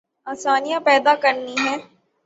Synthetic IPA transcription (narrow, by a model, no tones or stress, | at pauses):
aːsaːnijãpɛːd̪akɐɾniɦɛ̃ː